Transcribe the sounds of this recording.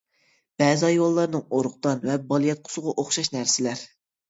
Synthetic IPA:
b̥ɛːzɑjolˠːɑɾnɨŋoɾʊχt̪ɑnvɛbɑlˠijɑt̪̚qʰʊ̥sʊʁɑʔoχʃɑʃnæɾsɪlæɾ

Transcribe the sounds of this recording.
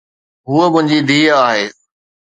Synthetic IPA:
ɦuəmʊ̃ɦɪ̃ɲd͡ʑid̪ʱiːaːɦeː

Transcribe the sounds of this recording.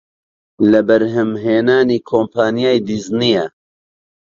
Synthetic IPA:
lɐbɐɾɦɨmɦeːnaːniːkʰoːmpʰaːnijaːjd̪iznijɛ

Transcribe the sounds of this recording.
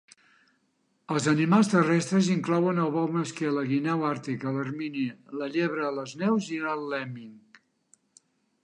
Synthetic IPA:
əlˠzənimalˠst̪ərɛst̪ɾəziŋklɔwənəlˠβɔwməskɛləɣinɛwaɾt̪ikələrminiləʎeβ̞ɾələznɛwziəlːɛmiŋk

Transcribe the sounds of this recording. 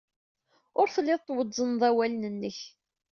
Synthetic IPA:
ʊɾθəlːɪðˤt̪ːˤwəd͡zːənðˤæwælnənːəç

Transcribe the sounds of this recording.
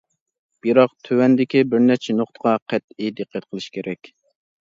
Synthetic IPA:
b̥iɾɑqt̪ʰøwɛnd̪ɪkʲibɪɾnɛt͡ʃʰɪnoχt̪əʁɑqʰɛt̪id̪ɨqːæt̪̚qʰəlˠɨʃkʲʰeɾʔɛkʲ

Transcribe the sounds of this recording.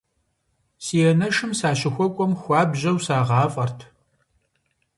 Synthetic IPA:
sijɛnɐʂɨmsaːɕɪxʷɔkʷʼɔmxʷɑːbʑɐwsaːʁɑːfʼɐrtʰ

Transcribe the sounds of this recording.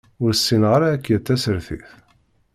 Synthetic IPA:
ʊɾsːinʁɾaækːjət̪ːæsəɾθḭθ

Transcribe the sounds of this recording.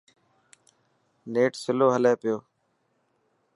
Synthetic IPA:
neːʈsɪloːɦəleːpɪjoː

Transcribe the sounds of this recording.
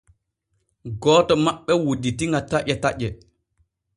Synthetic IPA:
ɡɔːtɔmaɓːɛwoditiŋɡataʔɛtaʔɛ

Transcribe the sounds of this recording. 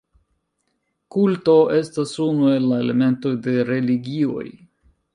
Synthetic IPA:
kultoe̞stasunue̞lːae̞le̞me̞nto̞jde̞ɾe̞liɡio̞̰j

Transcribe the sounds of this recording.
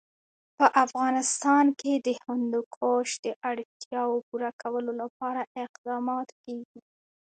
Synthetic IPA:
pəʔafɣɑnɪst̪ɑnked̪əhʊnd̪okʰoʃd̪̥əʔaɽt̪jɑwopuɾakʰawəlolapɑɾaʔɪqd̪ɑmɑt̪keɡi

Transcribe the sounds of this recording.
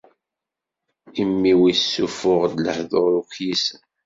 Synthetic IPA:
imːiwisːufʊʁd̪ləħðoɾukjisə

